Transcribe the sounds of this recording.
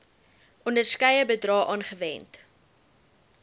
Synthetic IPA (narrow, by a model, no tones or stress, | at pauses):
ɔndərskɛjəbədrɑːʔɑːnχəvɛ̰nt